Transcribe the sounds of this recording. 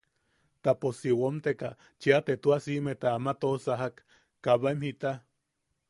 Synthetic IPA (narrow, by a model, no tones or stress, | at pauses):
t̪aposiwomt̪eka | t͡ʃiat̪et̪uasimet̪aamat̪osaɦakː | aβaemhit̪a